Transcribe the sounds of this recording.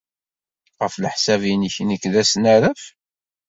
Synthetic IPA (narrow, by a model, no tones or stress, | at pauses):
ʁəfləħsævinəçnəkːðæsnaɾəf